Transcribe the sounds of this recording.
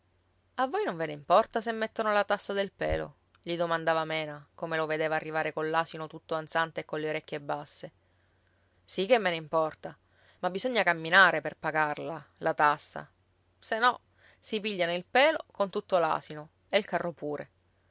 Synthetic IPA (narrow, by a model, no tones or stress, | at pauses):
avːojnoɱveneimpɔrt̪asemːet̪ːonolat̪asːad̪elpɛ̰ːlo̰ | ʎid̪omand̪aːvamɛːnakomeloved̪eːvaːrːivaːɾekolːaːsinot̪ut̪ːoant̪sant̪eːkːonleoɾekʲːjebːasːe | sikːemːeneimpɔrt̪a | mabːizoɲːakamːinaːɾeperpaɡarlalʔat̪asːa̰ | senːɔ | sipiʎːanoilpɛːlokont̪ut̪ːola̰ːsino | elkarːopuːɾḛ